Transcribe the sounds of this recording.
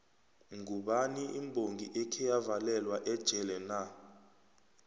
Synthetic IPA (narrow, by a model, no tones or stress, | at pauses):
ŋɡʱuɓaniʔimbʱoŋɡʱiʔekʰijavalɛlwaʔɛd̥ʒ̥ʱɛlɛna